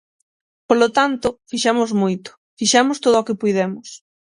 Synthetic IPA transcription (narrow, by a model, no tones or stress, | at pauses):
polot̪ant̪ofiʃamozmujt̪ʊ̥ | fiʃamost̪oðookɪpujðemʊs